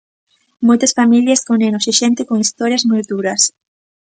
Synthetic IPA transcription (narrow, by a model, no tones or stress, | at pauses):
mojt̪ɐsfamiljɐskonenosiʃɛnt̪ɪkoŋist̪ɔɾjɐzmojd̪uɾɐs